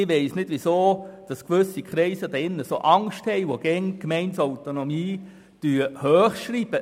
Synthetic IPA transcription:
ɪʋɛɪsnɪd̥ʋisoːd̥ɑskʋʏsːikʰɾɛɪsəd̥ɛɪnːəsoʔɑŋsthɛɪʋoɡ̥ɛŋkmɛɪntsɔwtonɔmiː | d̥yːəhœːχʃɾiːb̥ə

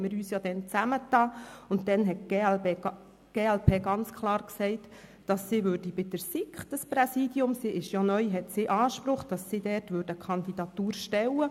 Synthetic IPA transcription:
mɪɾyːsjod̥ɛnt͡sæmətɑːʊntdɛnɦɛt̚ɡ̥e | ɡ̥eːɛlpʰeːɡɑnt͡skʰlˠɑːɾksɛɪt | d̥ɑsːiʋʏːɾd̥ibɪd̥əɾsikχd̥ɑspɾɛsiːdiʊmsiʔɪʃjonœʏɦɛtsiʔɑːʃpɾʊχd̥ɑsːidɛːtʋʏɾdəkʰχɑndidɑt̪uːɾʃtɛwə

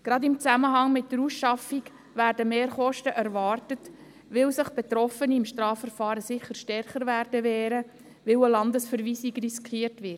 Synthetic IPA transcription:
ɡ̥ɾɑd̪ɪmt͡sæməɦɑŋmɪtdəɾusʃɑfiɡ | ʋæːɾdəmeːɾχɔʃtəʔæɾvɑːrtət | ʋɪwsɪχb̥et̪ɾɔfəniɪmʃtɾɑːfəɾfɑːɾəsɪχːəɾʃtɛrχəɾʋæːɾdəʋɛːɾə | ʋɪwəlɑndəsfəɾviːsiɡriskχiːrtʋɪɾt

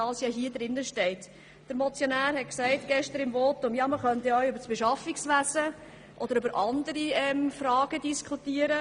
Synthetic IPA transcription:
ɑlsjɑɦiədɾɪnːəʃtɛɪt | d̥əɾmɔt͡sjonæːɾhɛtksɛɪtɡ̥ɛʃtəɾɪmvoːtʊmjɑːməχœntɛœɥʏbəɾsb̥eʃɑfiksʋæsə | ʔɔd̥̪əɾʏbəɾʔɑndəɾiɛmfɾɑːɡədiskʰutiːəɾə

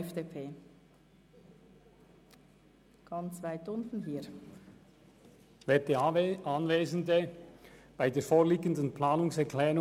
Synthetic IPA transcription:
fd̥eːpʰeː | ɡ̥ɑnt͡svaɪtʊntn̩ɦiː | vɛːdeɑnveːzn̩də | b̥aɪdeːfoːʁliːɡəndən̩plaːnʊŋsɛɾklɛːʁʊ

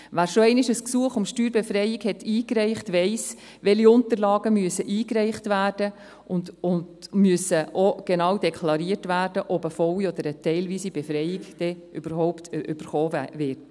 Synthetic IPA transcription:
ʋæːɾʃoɛɪnɪʃəsksuəχʊmʃtyːɾbefɾɛjɪɡhɛt̪iːkɾɛɪχtʋɛɪs | ʋɛliʊnt̪əɾlɑːɡəmyəsəʔiːkɾɛɪχtʋæːrd̥ə | ʔʊndʊndmyəsəʔoɡ̥enɑːwdekʰlɑɾiəɾtʋæːrd̥əʔɔbəfɔwiɔd̪əɾətɛɪlʋiːsibefɾɛɪjɪɡd̥ɛʔʏb̥əɾɦɔʊpt̪ʰʔʏb̥əɾχoːvɪɾt

